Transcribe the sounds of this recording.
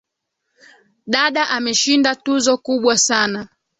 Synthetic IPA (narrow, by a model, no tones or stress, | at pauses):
ɗaɗaʔamɛʃindatuzɔkuɓwasana